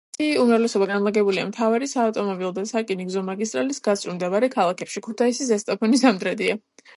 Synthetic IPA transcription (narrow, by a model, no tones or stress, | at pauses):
iumɾavlɛsɔbaɡanlˠaɡɛbuliamt̪ʰavaɾisaːft̪ʼɔmɔbilˠd̪asakʼiniɡzɔmaɡis̬t̪ʼɾalisɡat̪sʼɾumd̪ɛvaɾɛkʰalˠakʰɛpʃikʰut̪ʰaisizɛst̪ʼapʰɔnisamd̪ɾɛd̪ia